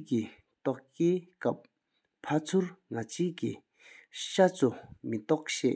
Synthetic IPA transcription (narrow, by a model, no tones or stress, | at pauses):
ki | t̪ɔʔkeːkap̚ | pʰat͡sʰuɹŋat͡ɕʰiːʔkḭ | ɕat͡sʰumit̪ɔʔ̚ɕɛ̰ːʔ